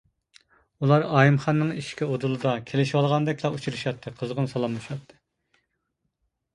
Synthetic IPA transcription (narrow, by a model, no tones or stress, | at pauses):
ulˠɑɾɑːjimχɑnːɨŋiʃkʲiod̪ulˠɨd̪ɑkʲʰelɪʃwɑlˠʁɑnd̪ɛkʲlˠɑut͡ʃʰuɾɨʃɑt̪ʰːɨqʰəzʁənsɑlˠɑmːɨʃɑt̪ʰːɨ̥